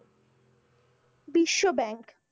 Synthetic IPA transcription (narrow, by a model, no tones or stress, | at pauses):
biʃːobɛŋk